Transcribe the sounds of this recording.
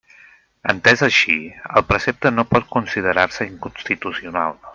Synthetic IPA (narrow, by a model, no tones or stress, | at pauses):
ənt̪ɛzəʃiə̰lˠpɾəsep̚t̪ənopɔt̪̚kunsið̞əɾarsəiŋkunst̪it̪usiuna̰lˠ